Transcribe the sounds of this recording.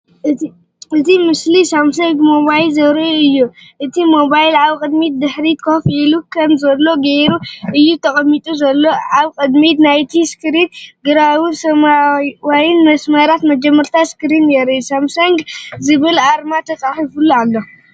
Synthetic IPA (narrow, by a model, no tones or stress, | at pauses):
ʔɨt̪imɨslisamsɐŋɡmoβajlzɐβɾɐɨjːu | ʔɨt̪ʰimo̞βajlʕaβkʼɨd̪mid̪ɨħɾit̪kʰofʕilukʰɐmzɐlːo̞ɡeɾuʔɨjːut̪ʰɐkʼɐmːit̪ʼuzɐlːo̞ʕaβkʼɨd̪mit̪najt̪ʰiskɨɾinɡɨɾawɨsɐmawajinmɐsmɐɾat̪mɐd͡ʒɐmːɐɾt̪ʰaskɨɾinjɛɾisamsɐŋɡzɨβɨlaɾmat̪ʰɐt͡sʼaħifulualːo̞